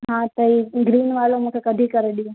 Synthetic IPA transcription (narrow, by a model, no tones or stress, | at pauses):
ɦãt̪əiːɡɾiːnʋaːlomũːkʰekəd̪ʱikəɾeɗiõ